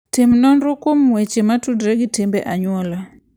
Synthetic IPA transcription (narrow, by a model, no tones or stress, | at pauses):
tɪmnɔnɾokwomwet͡ʃematudɾeɡitɪmbeʔaɲwɔla